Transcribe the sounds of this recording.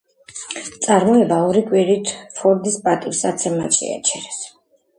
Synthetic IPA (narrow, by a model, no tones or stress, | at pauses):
t̪sʼaɾmɔɛbaɔɾikʼwiɾit̪ʰfʰɔɾd̪ispʼat̪ʼiɾsat̪sʰɛma̰t͡ʃɛ̰a̰t͡ʃʰɛɾɛs